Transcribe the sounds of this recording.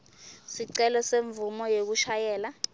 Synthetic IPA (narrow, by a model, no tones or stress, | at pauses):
siǀɛlɔseɱvumɔjek̬uʃajɛːla